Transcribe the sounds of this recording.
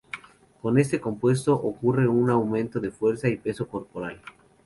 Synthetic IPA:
ko̞ne̞s̬t̪e̞ko̞mpwe̞s̬t̪o̞ʔokure̞unawmẽ̞nt̪o̞ðe̞fwe̞ɾsaipe̞so̞ko̞ɾpo̞ɾal

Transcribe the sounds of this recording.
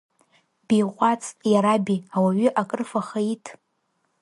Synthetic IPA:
b̥ejqʷʼat͡sʰʼjaɾabiawaɥʏʔakʼrfaχaitʼʰ

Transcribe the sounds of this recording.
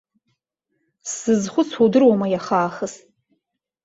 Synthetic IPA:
sɨzχʷʊt͡sʰudɨrwamajaχaːχəst

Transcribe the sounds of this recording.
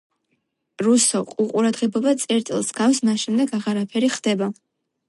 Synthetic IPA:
ɾusɔqʼuqʼuɾad̪ʁɛbɔbat̪sʼɛɾt̪sʼɛlˠsɡ̥afsmasʃɛmd̪ɛɡaʁaɾapʰɛɾiχd̪ɛba

